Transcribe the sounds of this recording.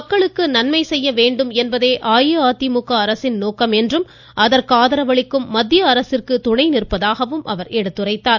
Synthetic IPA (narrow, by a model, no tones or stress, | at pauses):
ɐkːɐɭɯkːɯnɐnmɐɪsɛjːɐʋeːɳɖɯmɛnbɐðeːʔaːjɯaːt̪imʊkːɐːɾɐsɪnnoːkɐmɛndrɯm | ʔɐðɐɾkɯaːðɐɾɐʋɐɭɪkːɯmːɐd̪ːjɐːɾɐsɪrkɯt̪ʊɳɐɪnɪrɯpːɐðaːɣɐʋɯmʔɐ̰ʋɐɾɛɽɯt̪ːɯrɐɪt̪ːaːɾ